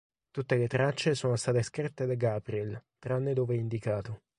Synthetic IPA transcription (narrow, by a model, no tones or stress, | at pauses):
t̪ut̪ːelet̪ɾat͡ʃːesoːnost̪aːt̪eskɾit̪ːed̪aɡapɾiɛlt̪ɾaanːed̪oːveɛind̪ikaːt̪o